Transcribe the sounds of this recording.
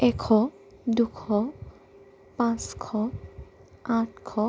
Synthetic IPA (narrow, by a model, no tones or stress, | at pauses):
ɛkʰɔ | d̪ukʰɔ | pãskʰɔ | ãʈkʰɔ